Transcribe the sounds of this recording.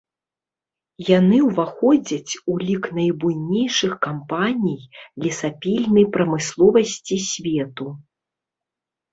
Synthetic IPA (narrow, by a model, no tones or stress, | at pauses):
janɨwvaxɔd͡zʲɐt͡sʲulʲiknɐjbujnʲejʂɨxkampanʲijlʲisapʲilʲnɐjpɾɐmɨslˠɔvɐsʲt͡sʲisʲvʲɛt̪u